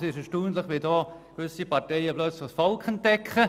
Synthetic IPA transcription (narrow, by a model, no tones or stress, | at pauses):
sɪʃɛʃtuːntləχʋɪldɔːkʋʏsipɑɾtɛɪəblœt͡sləχsfɔlkʰənt̚dɛkʰχə